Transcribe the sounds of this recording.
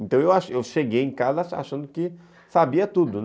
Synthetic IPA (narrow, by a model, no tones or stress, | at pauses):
ẽnt̪ɐ̃w̃ewaʃewʃeɡejẽkazɐa̰ʃɐ̃nd̪ʊkɪ | sabiɐt̪ud̪ʊn